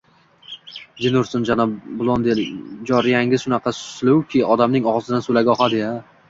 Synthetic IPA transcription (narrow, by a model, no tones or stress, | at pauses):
d͡ʒ̪enʊɾsɪnd͡ʒanɒbʊlˠɒnd̪ed͡ʒɒɾɪjaŋʲɪzʃʊnɑqʰɑsʊ̥slʊwkʲʰɪɒd̪amnɪŋɒʁɒzɪd̪ansolaɡʲɒχɑd̪ɪa